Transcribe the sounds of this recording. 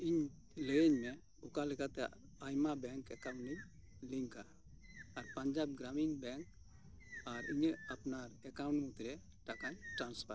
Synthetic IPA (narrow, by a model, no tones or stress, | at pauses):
iɲ | leɲmɛ | ukalɛkat̪ɛ | ajmabɛŋkɛkaw̃ni | liŋkaɾː | ɾpaɲd͡ʒabɡɾamiŋbɛ̃ŋk | aɾiɲapnaɾɛkaw̃ɳʈmut̪ɾɛ | ʈakaɲʈɾanspaɾ